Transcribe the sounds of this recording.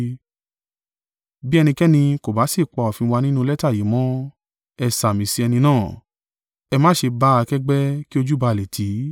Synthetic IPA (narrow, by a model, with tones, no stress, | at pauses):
bi˦ɛ˧nĩ˧kɛ˦nĩ˧ko˨ba˨˦si˦˨k͡pɔ˧ɔ˨fĩ˧wa˧nĩ˦nũ˦lɛ˦ta˦˨ji˨˦mɔ̃˦ | ɛ˧sa˨mĩ˨si˧˦ɛ˧nĩ˧nãː˦˨ | ɛ˧mãː˦ʃe˧ba˦a˧kɛ˦ɡ͡bɛ˦ki˦o˧d͡ʒu˦ba˧˨le˨tʰi˨˦